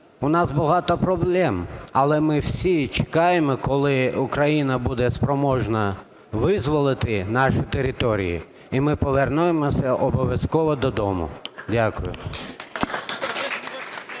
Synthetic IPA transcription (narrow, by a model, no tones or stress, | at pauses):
ʊnɑzbɔɦɑt̪ɔpɾɔblˠɛmɐlˠɛmɪwsʲit͡ʃe̥kɑjemɔkɔlˠɪʊkɾɐjinɐbud̪ɛspɾɔmɔʒnɐ | ʋɪzʋɔlˠɪt̪ɪnɑʃʊt̪eɾɪt̪ɔɾʲḭjḭ | imɪpɔʋernujemɔsʲɐʔɔbɔʋʲjɐskɔʋɔd̪ɔd̪ɔmʊ̰dʲakʊjʊ̰